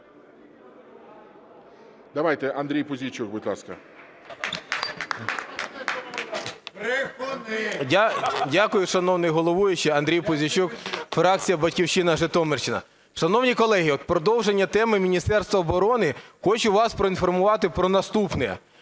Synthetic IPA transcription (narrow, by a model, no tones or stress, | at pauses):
d̪ɐʋajt̪ɛʔɐnd̪ɾʲijpʊzʲit͡ʃuk̚bʊdʲtʲlˠɑ̰skɐ̰ | dʲakʊjʊʃɐnɔwnɪjɦɔlˠɔʋujʊt͡ʃɛɐnd̪ɾʲijpʊzʲit͡ʃukfɾɑk̚t͡sʲijɐbɐtʲkʲiwʃɪnɐʒɪt̪ɔmert͡ʃɪnɐ̰ | ʃɐnɔwnʲikɔlˠɛɦʲiɔt̪̚pɾɔd̪ɔwʒenʲːɐt̪ɛmɪmʲinʲist̪ɛrst̪ʋɐɔbɔɾɔnɪxɔt͡ʃʊʋɑspɾɔinfɔrmʊʋɑt̪ɪpɾɔnɐst̪upnɛjɛ̰